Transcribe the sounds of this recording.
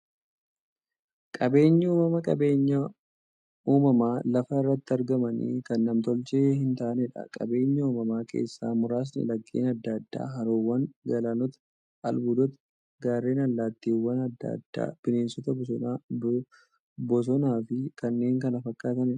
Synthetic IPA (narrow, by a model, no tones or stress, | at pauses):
kʼɐbe̞ːɲːɐuːmɐmɐkʼɐbe̞ːɲːɐ | uːmɐmaːlɐfɐɪrːɐt̪ːɪɐɾɡɐmɐnḭkɐnːɐmt̪ɔlt͡ʃeːɦɪnt̪aʔnɛᶑɐ̰kʼɐ̰be̞ːɲːɐuːmɐmaːkʰe̞̰ːsːa̰ːmʊɾaːs̬nɛ̰lɐkʼːḭːnɐd̪ːad̪ːa̰ːɦɐɾoːwːɐŋɡɐlaːnɔt̪ɐ̥ | ɐlbʊd̪ɔt̪ɐ̥ | ɡaːɾːe̞ːnɐlːaːt̪ːiːwːɐnɐd̪ːa̰ːd̪̥ːa̰ːb̥ɪneːnsɔt̪ɐbɔs̬ɔnaː | bɔs̬ɔnaːfɪkɐnːe̞ːŋkɐnɐfɐkːaːt̪ɐnɛ